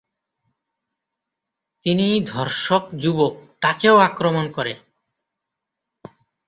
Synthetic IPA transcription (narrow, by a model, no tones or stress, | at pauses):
t̪inid̪ʱɔɾʃokd͡ʑubok̚t̪akeoakɾomonkɔɾe